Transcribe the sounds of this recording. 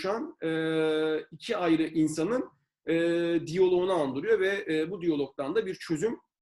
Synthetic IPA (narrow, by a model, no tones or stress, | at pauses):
ʃanɯːicʰiajɾɯʔinsanɯn | ɛːd̪ijo̞lˠo̞unaːnd̪ɯɾujo̞vɛːbud̪ijo̞lˠo̞k̚t̪and̪abiɾt͡ʃʰø̞zym